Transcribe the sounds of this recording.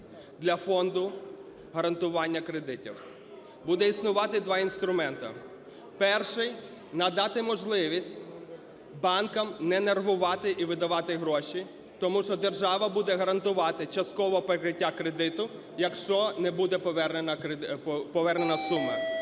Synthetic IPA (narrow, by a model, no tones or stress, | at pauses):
d̪lʲɐfɔnd̪ʊ | ɦɐɾɐnt̪ʊʋɑnʲːɐkɾed̪ɪtʲḭw | bud̪ɛisnʊʋɑt̪ɪd̪ʋɑinst̪ɾʊmɛnt̪ɐ̰ | pɛrʃɪj | nɐd̪ɑt̪ɪmɔʒlˠɪʋʲisʲtʲ | bɑnkɐmnɛnerɦʊʋɑt̪ɪʔiʋɪd̪ɐʋɑt̪ɪɦɾɔʃi | t̪ɔmuʃt͡ʃɔd̪erʒɑʋɐbud̪ɛɦɐɾɐnt̪ʊʋɑt̪ɪt͡ʃɐst̪̚kɔʋɔpɾɪkɾɪtʲːakɾed̪ɪt̪ʊ | jɐkʃt͡ʃɔnɛbud̪ɛpɔʋɛrnenɐ | pɔʋɛrnenɐsumːɐ